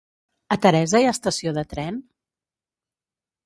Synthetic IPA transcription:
ət̪əɾɛzəjast̪əsioðət̪ɾɛn

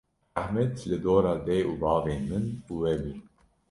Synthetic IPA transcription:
æhmɛd̪lɨd̪oːɾɑːd̪ɛjʔuːbɑːveːnmɨnuːwɛbi

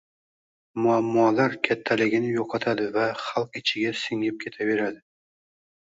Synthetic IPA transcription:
mʊamːɒlaɾkʲʰat̪ʰːalɪɡʲɪnɪjoqʰɑt̪ʰad̪ɪvaχɑlˠqɪt͡ʃʰɪɡʲasɪŋɪp̚kʲʰe̞t̪ʰabe̞ɾad̪ɪ

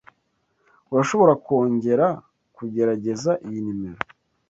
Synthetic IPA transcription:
uɾaʃo̞βo̞ɾako̞ːɲɟe̞ɾa | kuɟe̞ɾaɟe̞zaʔijinimeɾo

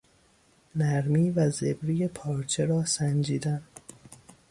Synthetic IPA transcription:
næɾmiːvæzebɾijepʰɒːɾt͡ʃʰeɾɒːsænd͡ʒiːd̪æn

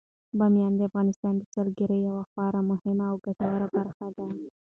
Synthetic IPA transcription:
bɑmjɑnd̪əafɣɑnɪst̪ɑnd̪əsalɡəɾəjawaxɑɾamʊhɪmaːwɡaʈawaɾabaɾxad̪a

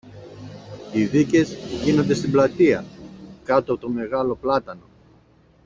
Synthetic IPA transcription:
iðice̞zʝino̞nd̪e̞st̪iblɐt̪iɐkɐt̪oɐpot̪o̞me̞ɣɐlo̞plɐt̪ɐno̞

